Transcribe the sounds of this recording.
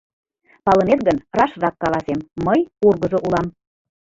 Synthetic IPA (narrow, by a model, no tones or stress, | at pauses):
pɑlə̆net̪ɣənrɑʃrɑkːɑlˠɑsemːəjurɣə̆ʒŏʔulɑm